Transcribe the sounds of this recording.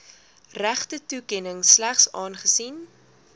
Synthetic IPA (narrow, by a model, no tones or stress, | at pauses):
ræχtətukɛnəŋslæχsɑːnχəsin